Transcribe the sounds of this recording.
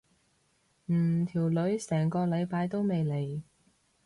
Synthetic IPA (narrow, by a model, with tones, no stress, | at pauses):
m̩ː˨˩t̪ʰiː˨˩wlɵ˨˥ɥsɛː˨˩ŋkɔː˧lɐ˨˧jpaː˨˧˥jt̪o˥wme˨jle˨˩j